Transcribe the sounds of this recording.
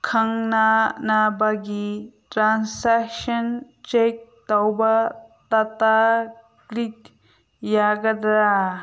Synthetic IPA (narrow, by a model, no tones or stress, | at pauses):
kʰɐŋnanabaɡitɾansakʃɐn | t͡ʃek̚t̪ɐwbat̪ɐt̪a | klik | jaɡɐd̪a